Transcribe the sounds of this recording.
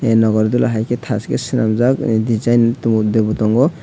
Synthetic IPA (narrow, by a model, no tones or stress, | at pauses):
nɔɡɔɾd̪ulaɦajket̪ʰaskḛsinamzakd̪id͡ʒajnt̪ud̪ebut̪ɔŋɡɔ